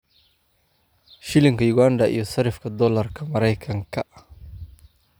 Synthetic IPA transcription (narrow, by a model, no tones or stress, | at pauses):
ʃɪlɪŋkɐjʊɡandɐʔḭjɔsɐɾɪfkʰɐd̪ɔlɐrkʰɐmɐɾɛjkʰɐŋkʰɐ